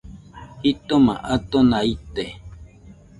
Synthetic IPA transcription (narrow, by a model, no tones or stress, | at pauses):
hit̪oma̰ʔat̪onait̪e